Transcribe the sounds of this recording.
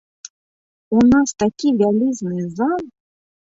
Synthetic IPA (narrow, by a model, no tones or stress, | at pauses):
unɑst̪akʲivʲalʲiznɨzɑm